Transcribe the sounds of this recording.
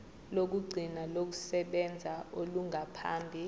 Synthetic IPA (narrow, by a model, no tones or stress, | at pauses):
lok̬uɡ͡ǀʱinalok̬usɛɓɛnd͡zʱaoluŋapʰa̰ːmbʱi